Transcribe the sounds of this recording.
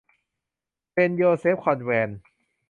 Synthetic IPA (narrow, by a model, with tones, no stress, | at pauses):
pe˧njoː˧seː˦˥p̚kʰɔ˧nwɛː˧n